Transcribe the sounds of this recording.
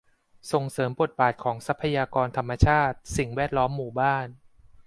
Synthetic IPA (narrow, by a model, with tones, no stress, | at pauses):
so˨˩ŋsɤː˩˦mpo˨˩t̪̚baː˨˩t̪̚kʰɔː˩˦ŋsa˦˥pʰːa˧jaː˧kɔː˧nt̪ʰa˧mːa˧t͡ɕʰaː˥˩t̪̚si˨˩ŋwɛː˥˩t̪̚lɔː˦˥mːuː˨˩baː˥˩n